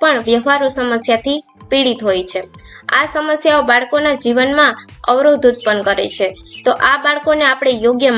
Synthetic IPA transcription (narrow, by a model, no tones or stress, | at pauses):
pəɳʋjəɦʋaɾusəməsjat̪ʰi | piɽit̪ɦojt͡ʃʰea̰səməsjaobaɭkonad͡ʒiʋənmãəʋɾod̪ʱud̪̚pənkəɾḛt͡ʃʰet̪oʔabaɭkoneapɽ̃ejoɡjəm